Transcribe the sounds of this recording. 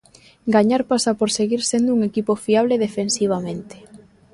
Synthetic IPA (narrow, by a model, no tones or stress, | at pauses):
ɡaɲaɾpasapoɾseɣiɾsend̪ʊuŋekipofiaβleðefensiβ̞amẽnt̪ɪ̥